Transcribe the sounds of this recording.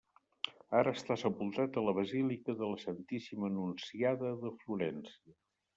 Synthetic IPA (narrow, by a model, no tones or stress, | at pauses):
aɾəːst̪asəpulˠt̪at̪ələβ̞əzilikəðələsənt̪isimənunsiaðəðəfluɾɛnsiə